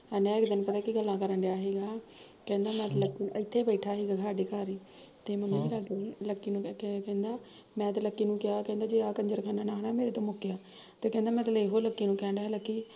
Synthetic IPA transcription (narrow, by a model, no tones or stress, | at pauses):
ɛneãːɪkd̪ɪnpət̪aːkiɡəlːãːkəɾə̃ɳɖjaːɦeːɡaːkɛ̃ːnd̪aːmɛ̃ːt̪ːləkːiːnɪt̪ʰːeːbɛɪʈʰaːɦeːɡaːsaːɖeːkaːɾiːt̪eːməmːiːd͡ʒeːɾaːɖoːləkːiːnũːkɛ̃ːnd̪aː | mɛ̃ːt̪eləkːiːnũːkɪjaːkɛ̃ːnd̪aːd͡ʒeːaːkəɲd͡ʒəɾkʰaːnaːnaːɦnaːmeːɾeːt̪õːmʊkːjaː | t̪eːkɛ̃ːnd̪aːmɛ̃ːt̪leɦoːləkːiːnũːkɛ̃ːɳɖləkːiː